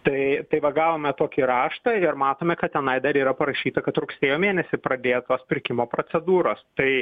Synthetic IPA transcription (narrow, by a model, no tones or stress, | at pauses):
t̪ɐɪt̪ɐɪʋɐɡɑːʋoːmʲɛt̪oːkʲiːɾɑːʃt̪ɑɪɾmɑːt̪oːmʲɛkɐt̪̚t̪ʲɛnɐɪd̪ɐɾiːɾɐpɐɾɐʃʲiːt̪ɐkɐt̪ɾʊksʲeːjoːmʲeːnʲɛsʲɪpɾɐd̪ʲeːjɛt̪oːspʲɪɾʲkʲɪmoːpɾoːt͡s̪ʲɛd̪uːɾoːst̪ɐɪ